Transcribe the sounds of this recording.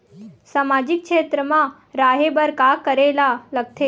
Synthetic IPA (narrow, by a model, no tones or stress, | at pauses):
samad͡ʑik̚kʂet̪ɾəma | ɾaɦebəɾkakəɾelaləɡ̚t̪ʰe